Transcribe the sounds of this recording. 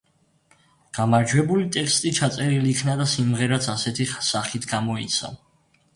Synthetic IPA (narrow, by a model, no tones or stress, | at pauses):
ɡ̥amaɾd͡ʒwɛbulit̪ʼɛkst̪ʼit͡ʃʰat̪sʼɛɾilikʰnad̪asimʁɛɾat̪sʰasɛt̪ʰisaχit̪ʰɡamɔḭt̪sʰa̰